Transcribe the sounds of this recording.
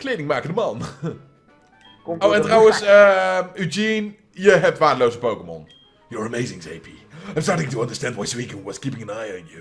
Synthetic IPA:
klejdɪ̃ŋmaːkəndəmɑn | oɛ̃ntʁawənsəʉd͡ʒin | jəɦɛp̚tʋaːdəlowzəpowkəmɔ̰n | jəɹəmeɪzɪ̃ŋsḛɪpʰi | aɪmstɑɹɾɪ̃ŋtʰəʌ̃ndə˞stæ̃ndwãnsəwiknwɔz̥kipɪ̃ŋɨ̃naɪə̃nju

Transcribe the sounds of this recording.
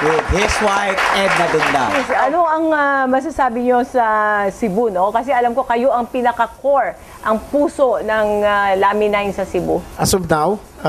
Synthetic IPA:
wɪd̪hɪswajt̪ɛd̪̚mɐɡ̪ɐnd̪a̰ɛsɐnoʔɐŋɐmɐs̬asaːbɪɲo̞sɐsɪbuno̞kɐsɛʔɐlɐmko̞kɐjo̞ʔɐŋpinɐkɐkoɹ | ʔɐŋpuːso̞nɐŋalaːmɪnajɪnsɐsɪbuʔɐsʊb̚naw

